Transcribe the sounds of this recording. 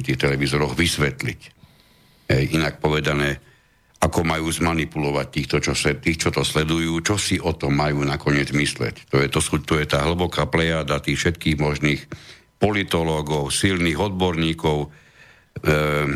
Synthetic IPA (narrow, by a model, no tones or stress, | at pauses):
t̪iːxt̪ɛlɛʋizɔɾɔɣʋisʋɛt̪lic | ɦɛjʔinak̚pɔʋɛd̪anɛː | akɔmajuːzmanipulɔʋac̚t̪iːxt̪ɔt͡ʃɔsɛt̪ːiːxt͡ʃɔt̪ɔslɛd̪ujuːt͡ʃɔsiʔɔt̪ɔmːajuːnakɔɲɪɛd͡zmislɛ̰ct̪ɔjɛt̪ɔsut̪ɔjɛt̪aːɦl̩bɔkaːplɛjaːd̪at̪iːxfʃɛt̪kiːɣmɔʒniːx | pɔlit̪ɔlɔːɡɔʊsilniːɣɔd̪̚bɔɾɲiːkɔʊ